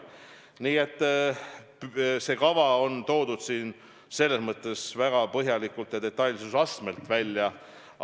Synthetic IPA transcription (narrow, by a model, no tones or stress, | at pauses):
niːe̞t̪ːˑ | pse̞ːkɑvɑo̞nt̪o̞ːd̪̥ud̪̥siːn | se̞lːe̞smɤt̪ˑːe̞svæɡ̥ɑpɤɦjɑlikult̪jɑd̪e̞t̪ːˑɑjlʲsusɑsme̞lt̪ˑvælʲːjɑ